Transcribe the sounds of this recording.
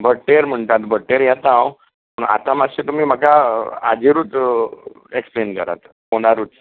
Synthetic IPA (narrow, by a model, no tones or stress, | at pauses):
bʱəʈːeɾm̤əɳt̪at̪bʱəʈːeɾjat̪aw | pəɳa̰t̪amaɕet̪umiːm̤əkaa̰d͡ʑiɾuːt̪ | eksplenkə̰ɾa̰t̪ | ɦoɽaɾuːt͡s̪